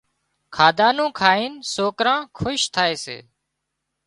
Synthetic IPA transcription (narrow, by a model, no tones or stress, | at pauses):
kʰaːd̪aːnũːkʰaːiːnsoːkɾãːkʰʊʃt̪ʰaːeːsḛː